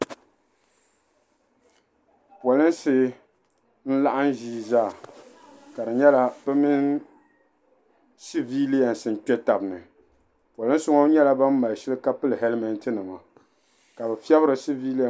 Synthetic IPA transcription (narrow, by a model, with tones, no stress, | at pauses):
pɔ˨lɨ˦nsɪː˦ | n̩˦la˦ʔa˦n˦ʒiː˦zaː˦˨ | ka˨ɾɨ˨ɲɛ˦la˦bɛ˦mi˦n | si˦vi˦li˦ja˨n˨sɨ˨n˨k͡pɛ˦ta˨bnɨ˨ | pwa˨lɨ˦n˦sʊ˦ŋo˦ɲɛ˦la˦ba˦mː˦a˨lʃɛ˦lɨ˦ka˦pɨ˦lɨ˨hɛ˦lmɛ˨n˦tɨ˦nɨ˨ma˨ | ka˨bɛ˨fɛ˦bɨ˦ɾɨ˨si˦vi˦li˦a˨